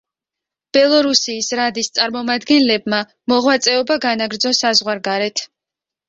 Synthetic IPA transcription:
b̥ɛlˠɔɾusiːsɾad̪ist̪sʼaɾmɔmad̪ɡɛnlɛbma | mɔʁwat̪sʼɛɔbaɡanaɡɾd̪zɔsazʁwaɾɡaɾɛt̪ʰ

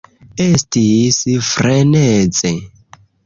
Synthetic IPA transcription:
estisfɾenet͡se

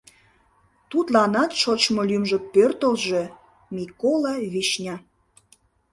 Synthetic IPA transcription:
t̪ut̪lɑnɑt̪ʃot͡ɕmolymʒə̆k̚pørt̪əlʒe | mikolˠɑβiʃnʲɑ

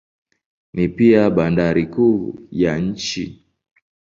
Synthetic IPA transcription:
nipiaɓandaɾikujaɲ̩t͡ʃi

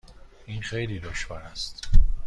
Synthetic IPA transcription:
iːnxejliːd̪oʃvɒːɾæst̪

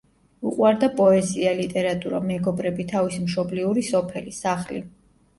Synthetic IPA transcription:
uqʼwaɾd̪apʼɔɛzialit̪ʼɛɾat̪ʼuɾa̰mɛɡɔbɾɛbit̪ʰavismʃɔbliuɾisɔpʰɛlisaχlḭ

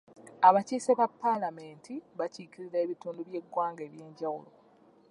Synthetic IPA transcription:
aβaciːseβapːalame̞ːntʰiβaciːkiɾiɾeːβituːnduβje̞ɡːwaːŋɡe̞ːβje̞ːɲɟawṵlo̞̰

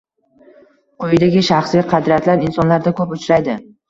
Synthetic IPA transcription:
qʰojɪd̪aɡʲɪʃaχslɪqʰɑd̪ɾiat̪ʰlaɾɪnsɒnlaɾd̪akʰɵpʊt͡ʃɾajd̪ɪ

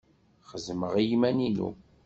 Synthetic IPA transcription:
χəzməʁijmæninṵ

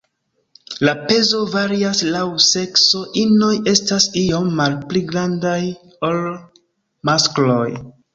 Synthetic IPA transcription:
lape̞zo̞vaɾiaslawse̞kso̞ʔino̞je̞stasio̞mːalpliɡɾandaj | o̞l | masklo̞j

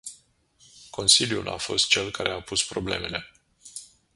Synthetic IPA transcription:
ko̞nsiljṵlʔa̰fo̞st̪̚t͡ʃe̞lkaɾe̞apuspɾo̞ble̞me̞le̞

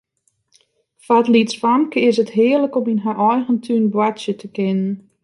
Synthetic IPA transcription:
fatlitsfamkəɪsətɦɪərləkominɦaʔɔjɣəntʰynbwatsjətʰəkɪnən

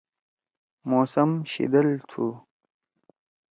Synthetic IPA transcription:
moːsɐmɕḭd̪əlt̪ʰu

